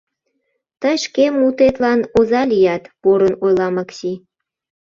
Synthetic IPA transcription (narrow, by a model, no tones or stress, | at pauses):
t̪əjʃkemːut̪et̪lɑnozɑlijɑt̪poɾənojlɑmɑksi